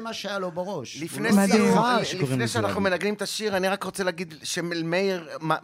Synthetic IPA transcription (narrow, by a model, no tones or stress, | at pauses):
maʃajalobeʁoʃlifne | lifnejʃeanaχnumenaɡnimt̪aʃiʁaniʁakʁot͡selaːɡid̪ʃemelmeiʁma